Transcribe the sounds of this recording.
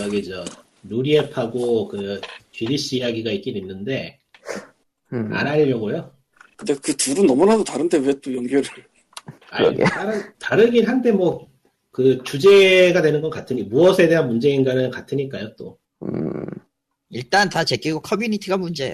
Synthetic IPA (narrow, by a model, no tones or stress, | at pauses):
aɡid͡ʑo | nuɾiepʰaɡokɯt͡ɕɥidiɕ͈iːjaɡiɡaik͈ininːɯnde̞ | a̰naɾimjʌɡojo | kɯndekɯtuɾɯnːʌmunadotaɾɯnde̞we̞t͈ojʌnɡjʌɾɯ | a̰ḭtaɾɯntaɾɯɡiɭɦande̞mwʌ | kɯt͡ɕud͡ʑe̞ɡadwe̞nɯnɡʌnk͈atʰɯɲimuʌsʰe̞de̞ɦanmund͡ʑe̞inɡanɯnkatʰɯɲik͈ajot͈o̰ | iɭt͈antat͡ɕe̞k͈iɡokʰʌmjunitʰiɡamund͡ʑe̞o